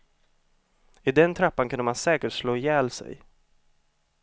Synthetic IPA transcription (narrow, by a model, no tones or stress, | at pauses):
ɪd̪ɛnt̪ʰɾapːankʰɵnəmansɛːkəʈʂloːjɛːlsɛ̰j